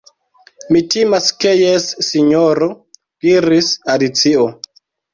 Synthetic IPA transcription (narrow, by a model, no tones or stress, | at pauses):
mitimaske̞jesːiɲoɾo | ɡ̥iɾisadit͡sio